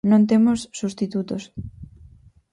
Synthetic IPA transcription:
nõnt̪emosːust̪it̪ut̪os

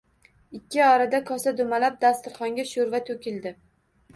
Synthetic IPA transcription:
ɪkʲːɪɒɾad̪akʰɒsad̪ʊmalap̚d̪ast̪ɪɾχɒŋɡʲaʃoɾvat̪ʰɵkʲɪld̪ɪ

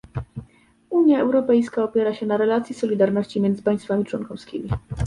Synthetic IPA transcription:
uɲjaɛwɾɔpɛjskaɔpʲjɛɾaɕɛnaɾɛlat̪sjisɔlʲid̪aɾnɔɕt͡ɕimʲjɛnd̪zɘ̥paj̃st̪famʲit͡ʂwɔnkɔfskʲimʲi

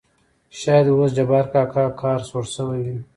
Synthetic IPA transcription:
ʃaːjɐd̪wosd͡ʒɐbaːɾkakakʰaːɾsoɾsəweɡi

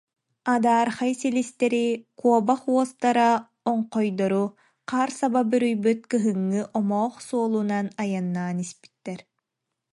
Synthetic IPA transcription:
ad̪aːɾχajsilist̪ɛɾikuɔbaχuɔst̪aɾa | ɔɴqɔjd̪ɔɾu | qaːɾsababyɾyjbyt̪̚kɯɦɯŋːɯʔɔmɔːχsuɔlˠunanajanːaːnispi̥t̪ːɛɾ

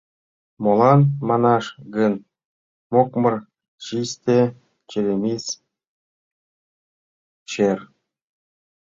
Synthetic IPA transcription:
molˠɑnmɑnɑʃɡən | mokmɤ̆r | ɕisʲt̪ʲe | t͡ɕelʲemʲisʲ | t͡ɕer

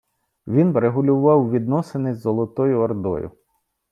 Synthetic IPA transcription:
ʋʲinɾeɦʊlʲʊʋɑwʋʲid̪nɔsenɪzɔlˠɔt̪ɔjʊɔrd̪ɔ̰jʊ̰

